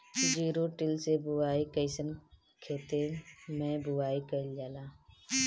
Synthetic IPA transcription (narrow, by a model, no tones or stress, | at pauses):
d͡ʒiːɾoʈɪlsebʊwaːikəɪsən | kʰeːt̪emẽbʊwaːikəld͡ʒaːlaː